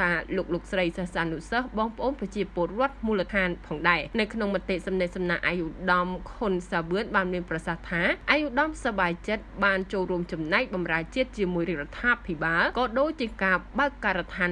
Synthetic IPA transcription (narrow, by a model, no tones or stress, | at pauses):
aːloːk̚loːk̚srəjsəhsaːnusəhɓɑːŋpə̆ʔoːnprɑt͡ɕiəpʊ̆ərŏət̪̚muːlət̪ʰaːnpʰɑːŋɗaɛnɨwkʰnoŋmɔt̪ːeʔsɑmnəʔsɑmnaːʔajʔuɗɑmkʰonsaːʋɨənɓaːnmiənprɑsaht̪ʰaːʔajʔuɗɑmsɑɓaːt͡ɕət̪̚ɓaːnt͡ɕoːlruəmt͡ɕɑmnaɛk̚ɓɑmraət͡ɕiət̪̚t͡ɕiəmuəjrirɔt̪ʰːaːpʰiɓaːlkɑːɗoːc̚t͡ɕiəkaːɓaəkːarət̪ʰaːn